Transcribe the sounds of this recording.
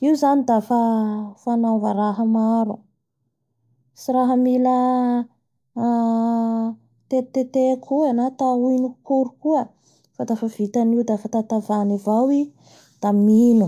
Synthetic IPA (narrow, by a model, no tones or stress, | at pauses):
iwuzanid̪afafanavəɾaɦəmaɾu | siɾaɦəmilə | t̪et̪et̪ekʰuanat̪auinukuɾukuə | fad̪afav̥it̪aniwd̪afat̪at̪avanivawi | d̪̥aminu